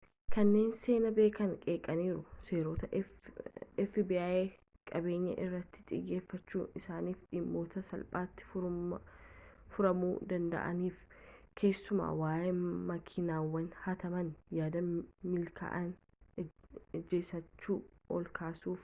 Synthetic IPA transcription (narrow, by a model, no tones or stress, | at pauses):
kɐnːe̞ːnse̞ːnɐbeːkɐnkʼe̞ːkʼɐniːɾʊse̞ːɾoːt̪ɐ | ɪfɪbɪaːʔe̞ː | kʼɐbe̞ːɲːɐ̰ʔɪrːɐt̪ːɪ̥t̪ʼɪ̰jːe̞ːfːɐt͡ʃːuːnɪsaːniːfᶑɪmːo̞ːt̪ɐsɐlpʼaːt̪ːɪ̥fʊ | fʊɾɐmuːd̪ɐnd̪ɐ̰ʔɐ̰niːf | kʰe̞ːsːʊma̰ːwaːjeːmɐkʰɪnaːwːɐnhɐt̪ɐmɐnjaːd̪ɐmɪlkʰa̰ʔɐn | d͡ʒeːsɐt͡ʃːuːɔ̰lkʰaːsuːf